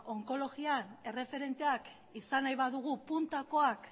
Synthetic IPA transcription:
o̞ŋko̞lo̞ɣiane̞re̞fe̞ɾe̞nt̪e̞ak | isanajβaðuɣ̞upunt̪ako̞ak

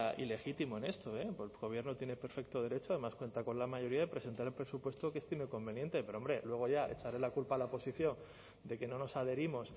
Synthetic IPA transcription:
ʔḭle̞xit̪imoenest̪o̞epɣo̞β̞je̞ɾnot̪je̞ne̞pe̞ɾfe̞k̚t̪o̞ð̞e̞ɾe̞t͡ʃoaðe̞maskwe̞nt̪ako̞nlamaʝo̞ɾiaðepɾe̞se̞nt̪aɾelpɾesupwe̞st̪okest̪ime̞ko̞mbe̞njẽ̞nt̪e̞pe̞ɾoo̞mbɾe̞lwe̞ɣ̞o̞ʝjaʔe̞̰t͡ʃaɾe̞lakulpalaopo̞siθjo̞ŋ | d̪e̞ke̞no̞no̞saðe̞ɾimo̞s

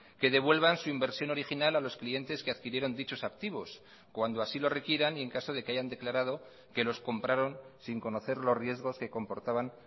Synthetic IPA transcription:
ke̞ð̞e̞βwe̞lβansuimbe̞ɾsjo̞no̞ɾixinalalo̞sklie̞nt̪e̞ske̞aðkiɾje̞ɾo̞nd̪it͡ʃo̞sak̚t̪iβ̞o̞s | kwand̪o̞asilo̞re̞kjeɾanie̞ŋkaso̞ð̞e̞keaʝand̪e̞klaɾað̞o̞ | ke̞lo̞sko̞mpɾaɾo̞nsiŋko̞no̞θe̞ɾlo̞zrje̞zɣ̞o̞ske̞ko̞mpo̞ɾt̪aβan

